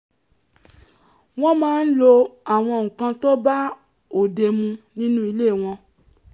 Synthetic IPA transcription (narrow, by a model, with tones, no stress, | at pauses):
w̃ɔ̃˦mãː˦n̩˦lo˧a˨w̃ɔ̃˧˨ŋũ˨kã˧to˦ba˦ | o˨de˧mũ˧nĩ˦nũ˦i˧le˦˨w̃ɔ̃˧